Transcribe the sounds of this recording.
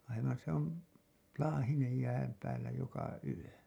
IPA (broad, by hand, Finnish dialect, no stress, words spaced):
ɑiʋɑn se on lɑːhinej jæːm pæːlːæ jokɑ yø